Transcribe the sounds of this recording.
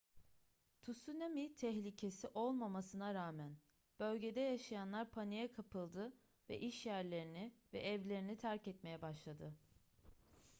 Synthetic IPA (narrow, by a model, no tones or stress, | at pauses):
t̪ʰusunamit̪ʰɛɦlʲicʰe̞siʔo̞lˠmamasɯnaɾaːmæn | b̥ø̞lʲɟe̞d̪ɛjaʃajanlˠaɾpʰanijɛkʰapɯlˠd̪ɯ | vɛ̰ʔiʃjæɾlʲe̞ɾinivɛ̰ʔɛvlʲe̞ɾinit̪ʰæɾcɛt̪me̞jɛbaʃlˠad̪ɯ